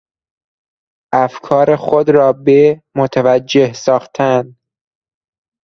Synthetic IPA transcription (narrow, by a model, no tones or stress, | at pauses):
ʔæfkʰɒːɾexod̪ɾɒːbemot̪ʰævæd͡ʒːehsɒːxt̪ʰæn